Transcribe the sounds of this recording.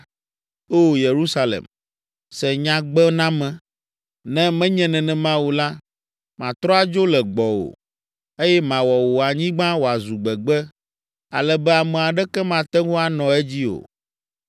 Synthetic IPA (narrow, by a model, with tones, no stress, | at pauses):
o˦˨je˨ɾu˦sa˦lɛ̰˨m | sɛ˨ɲã˨ɡ͡bɛ˦nã˦mɛ̃˨ | nɛ̃˦mɛ̃˦ɲɛ̃˨nɛ̃˨nɛ̃˨mã˦wu˨la˦ | mã˨t̪ɾɔ˦a˨d͡ʒo˦lɛ˨ɡ͡bɔ˨o̰˨ | e˦jɛ˦mã˨wɔ˨wo˨a˨ɲĩ˦ɡ͡bã˦wo˨a˨zu˨ɡ͡bɛ˨ɡ͡bɛ˦ | a̰˨lɛ˨bɛ˦a˨mɛ̃˨a˨ɖɛ˦kɛ˦mã˨t̪ɛ˦ŋõ˦a˨nɔ̃˨ɛ˦d͡ʑi˦o̰˨